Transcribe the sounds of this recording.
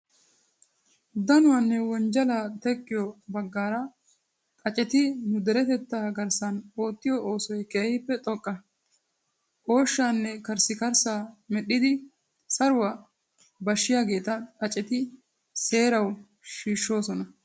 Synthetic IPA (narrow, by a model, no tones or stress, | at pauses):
d̪ɐnʊwɐnːɛwɔnd͡ʒɐlaːt̪ɛkʼːɪjɔbɐɡːaːɾɐ | kʼɐt͡ʃʼɛt̪ɪnʊd̪ɛɾɛt̪ɛt̪ːaːɡɐɾsɐno̞ːt̪ːɪjɔʔo̞ːsɔjkeːhɪpːɛt̪ʼɔkʼːɐ | ʔo̞ːʃːaːnːɛkɐɾsɪkɐɾsaːmɛɗːɪd̪ɪ | sɐɾʊwɐ | bɐʃːɪjaːɡe̞ːt̪ɐkʼɐt͡ʃʼɛt̪ɪ | se̞ːɾɐw | ʃiːʃːo̞ːsɔnɐ